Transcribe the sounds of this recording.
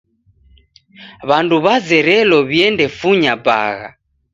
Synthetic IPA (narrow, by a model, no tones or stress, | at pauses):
βanduβazɛɾɛlɔβjɛndɛfuɲaba̰ɣa̰